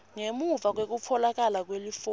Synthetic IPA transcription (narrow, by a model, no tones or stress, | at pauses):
ŋemuvak̬wek̬up̪fʰɔlak̬alak̬welif